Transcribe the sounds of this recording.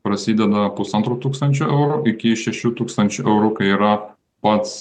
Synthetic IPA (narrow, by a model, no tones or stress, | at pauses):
pɾɐsʲiːd̪ʲɛd̪ɐpʊsɐnt̪ɾoːt̪uːkst̪ɐnʲt͡ʃʲʊːʔɛʊɾuʔɪkʲɪʃʲɛʃʲuːt̪uːkst̪ɐnʲt͡ʃʲʊʔɛʊɾuːkɐɪiːɾɐ | pɐt̪s